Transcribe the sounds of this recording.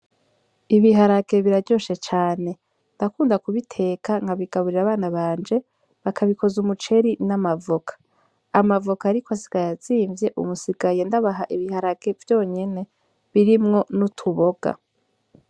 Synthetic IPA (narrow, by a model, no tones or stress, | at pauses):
iβiɦaɾaɡe̞βiɾaɟo̞ʃe̞t͡ʃaːne̞ | ndakuːndakuβitʰe̞ːkaŋɡaβiɡ̥aβuɾiɾaβaːnaβaːnd͡ʒe̞ | βakʰaβiko̞zumut͡ʃe̞ɾinamavokʰḁː | mavokaːɾikoasi̥ɡ̥ajaziːɱvje̞ʔṵmusiɡaje̞ndaβaɦaʔiβihaɾaɡ̥e̞vjo̞ːɲe̞ne̞ | βiɾimŋo̞nutʰuβo̞ɡ̥a̰